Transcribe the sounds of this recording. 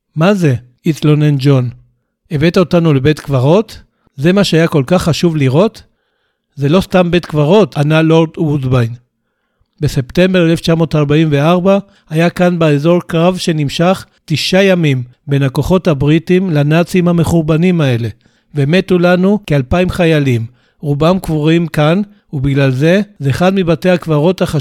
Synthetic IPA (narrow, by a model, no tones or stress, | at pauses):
maze̞ | it͡slo̞nend͡ʒo̞n | eve̞t̪aotanulebet̪kvaʁo̞t | ze̞maʃeajako̞lkaχːaʃuvliʁo̞t | ze̞lo̞stambe̞t̪kvaʁo̞tanalo̞ʁd̪wudbajn | be̞se̞pte̞mbe̞ʁeleft͡ʃamo̞ːtaʁbaimveaʁba | ajakanbeezo̞ʁkʁavʃe̞nimʃaχ | tiʃajamimbe̞nako̞χo̞thabʁitimlanat͡siimhame̞χuʁbanimae̞le̞ | veme̞t̪ulanukealpaimχajalim | ʁubamkvuʁimkan | ubiɡlalze̞zeːχad̪mibate̞akvaʁo̞t̪haχa